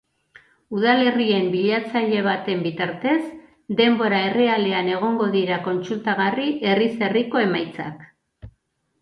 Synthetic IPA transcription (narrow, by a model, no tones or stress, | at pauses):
uð̞ale̞rie̞mbiʎat͡saʎe̞β̞at̪e̞mbit̪aɾt̪e̞s | d̪e̞mbo̞ɾae̞re̞ale̞ane̞ɣ̞o̞ŋɡo̞ðiɾako̞nt͡sult̪aɣ̞ariʔe̞rise̞riko̞e̞majt͡sa̰k